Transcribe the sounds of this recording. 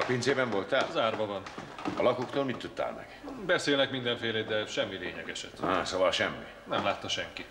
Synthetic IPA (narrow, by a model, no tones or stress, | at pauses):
ɒpeːnzeːbɛɱvo̞lt̪ːazaːrvɒvɒnɒ̰lɒkokt̪oːlmit̪ːut̪ːa̰ːlmɛ̰ɡ̥bɛseːlnɛkmind̪ɛɱfeːleːd̪ɛʃɛmːileːɲɛɡɛʃɛt̪asovɒlʃɛmːi | nɛmlaːt̪ːɒʃɛŋki